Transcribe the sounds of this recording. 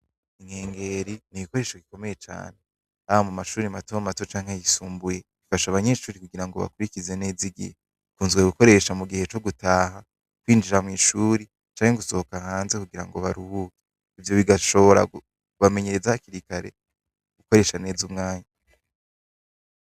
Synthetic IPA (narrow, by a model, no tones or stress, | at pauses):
iŋheːŋɡe̞ɾiniβiko̞ɾe̞ːʃaβiko̞me̞je̞t͡ʃa̰ːne̞ | aβamumaʃuːɾimatoamatot͡ʃaːŋhejisuːmbuje̞βifaʃaβaɲe̞ːʃuːɾikuɡiɾaŋɡo̞βa̰kuɾicize̞ne̞ːziɡḭhe | ikuːnzɡweɡuko̞ɾe̞ʃamuɡihe̞t͡ʃo̞ɡutaːɦa | kwiːnd͡ʒiɾamŋiːʃuːɾi | t͡ʃaːŋheɡuso̞hokahaːnze̞kuɡiɾa̰ŋɡo̞βaɾuhuːke | ivjo̞βiɡaʃo̞βoɾa̰ | kuβame̞ɲe̞ɾezahakiɾikaɾe̞̰ | ɡ̥uko̞ɾe̞ːʃane̞ːzumŋaːɲa